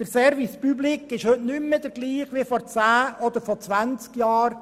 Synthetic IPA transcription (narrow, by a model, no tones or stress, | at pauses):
d̥əɾsɛɾʋispyblikɪʃhɵtnʏmːəd̥̪əɾɡliːχʋifɔɾt͡sæːɔd̪əɾfɔt͡sʋænt͡skjɑːɾ